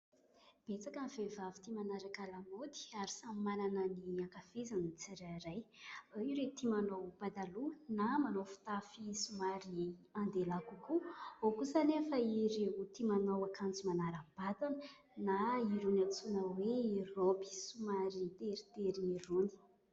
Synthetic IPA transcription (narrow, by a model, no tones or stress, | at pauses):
b̥et͡sakanvevavi̥t̪imanaɾakalamod̪i̥aɾisammananəniakafezanət͡siɾaɾajiɾet̪imanowbad̪alunamanofi̥t̪afisumaɾiand̪elakukuokusanefəiɾeut̪imanowakʰant͡simanaɾəb̥ad̪anə | naiɾunat͡sunəweirobi̥sumaɾit̪eɾit̪eɾiiɾuni̥